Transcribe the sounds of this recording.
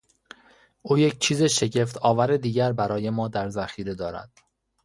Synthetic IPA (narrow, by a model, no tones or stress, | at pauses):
ʔuːjec̚ʰt͡ʃʰiːzeʃe̞ɟe̞ft̪ʰɒːvæɾed̪iːɟæɾbæɾɒːje̞mɒːd̪æɾzæxiːɾe̞d̪ɒːɾæ̰d̪̥